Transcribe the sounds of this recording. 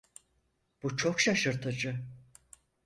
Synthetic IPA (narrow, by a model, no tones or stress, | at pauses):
b̥ut͡ʃʰokʃaʃɯɾt̪ʰɯd͡ʒɯ